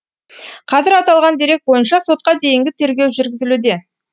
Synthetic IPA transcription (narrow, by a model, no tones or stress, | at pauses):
qʰɑzɪɾɑt̪ɑlˠʁɑnd̪e̞ɾe̞k̚bo̞jənʃɑso̞t̪̚qɑd̪e̞jɪŋɡʲɪt̪ʰe̞ɾɡʲe̞wʒʏɾɡʲɪzɪlud̪e̞